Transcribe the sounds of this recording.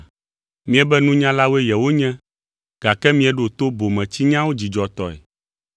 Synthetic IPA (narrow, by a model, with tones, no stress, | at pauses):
mĩ˦ɛ˨bɛ˦nũ˦ɲã˦la˦wo˦ɛ˦jɛ˨wo˦ɲɛ̃˦ | ɡ̥a˨kɛ˦mĩ˦ɛ˨ɖo˨t̪o˦bo˨mɛ̃˨t͡ɕi˦ɲã˦wo˦d͡ʑi˨d͡ʒɔ˨t̪ɔ˨ɛ̰˨